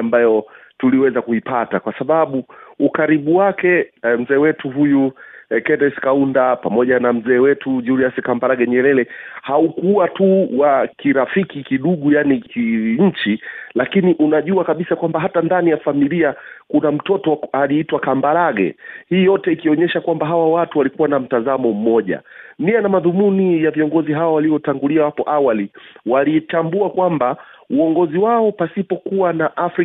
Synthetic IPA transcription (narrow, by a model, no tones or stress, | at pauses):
ambajɔ | tuliwɛzakuipatakwasaɓaɓuukaɾiɓuwakɛm̩zɛːwɛtuɦujukɛnɛskaundapamɔʄanam̩zɛːwɛtuʄuliasikambaɾaɠɛɲɛɾɛlɛhaukuwatuwakiɾafikikiɗuɠujanikiɲ̩t͡ʃilakiniʔunaʄuakaɓisakwambaɦatandanijafamiliakunam̩tɔtɔaliitwakambaɾaɡɛ̰hiːjɔtɛikiɔɲɛʃakwambaɦawawatuwalikuwanam̩tazamɔm̩mɔʄa̰mianamaðumunijaviɔŋɡɔziɦawɔwaliɔtaŋɡuliawapɔʔawaliwalitambuakwambauɔŋɡɔziwaɔpasipɔkuwanaʔafɾi